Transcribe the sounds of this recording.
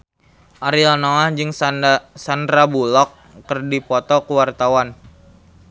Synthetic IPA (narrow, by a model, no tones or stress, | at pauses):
ʔaɾianɔad͡ʒɨŋsand̪ɾabulɔk̚ː | ərdipɔt̪ɔkuwart̪awan